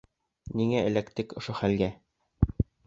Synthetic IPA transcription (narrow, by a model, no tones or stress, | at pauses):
niŋæɘ̆lækt̪ɘkŏʃoχælɡæ